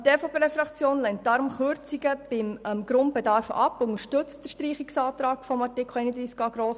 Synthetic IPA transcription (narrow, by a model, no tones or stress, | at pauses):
teːfoːpʰeːɾefɾɑkt͡sjoːnlɛnt̚d̥ɑɾʊmχøɾt͡siɡəb̥ɪmmɡ̥ɾʊnd̚bɛdɑɾfɑ̰pʊŋəɾʃtɵt͡std̥əɾʃtɾiːχiksɑːt̪ɾɑːkfɔmɑrtɪkʰl̩ɛɪnəd̪ɾiːskɑːɡɾoːs